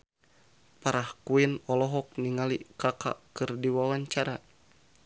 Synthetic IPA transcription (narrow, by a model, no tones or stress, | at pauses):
paɾahkuinɔlɔɦɔk̚niŋalikaka̰kɨrdiwawaɲt͡ʃaɾa